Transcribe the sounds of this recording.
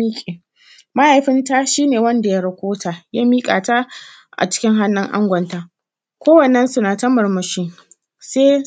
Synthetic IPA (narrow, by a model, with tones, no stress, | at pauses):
i˦kʲʼeː˨ | ma˦ha˨jɸɪ˦nta˦ʃiː˦neː˨wɐ˦nda˨ja˦ɽɐ˨kʷoː˦tʰa˨ja˦miː˦kʼa̰ː˨ta˦ | ʔa̰˨t͡ʃɪ̥˦kʲɪ˦ŋɦa˦nːɪ˦ŋʔa̰˦ŋɡʷɐ˨nta˨ | kʷoː˦wɐ˨nːɐ˦nsʊ˦naː˨tɐ˦mɐ˨ɾmɐ˨ʃɪ˦ŋ | seː˦